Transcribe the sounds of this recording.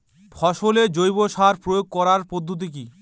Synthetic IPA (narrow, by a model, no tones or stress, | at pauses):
fʰɔʃoled͡ʑojboʃaɾpɾojoɡ̚kɔɾaɾpod̪ʱːot̪̬ik̬i